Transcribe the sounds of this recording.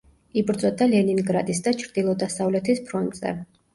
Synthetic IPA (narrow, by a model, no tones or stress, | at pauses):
ibɾd̪zʼɔd̪alɛniŋɡɾad̪isd̪at͡ʃʰɾd̪̥ilˠɔd̪asavlɛt̪ʰispʰɾɔnt̪zʼɛ̰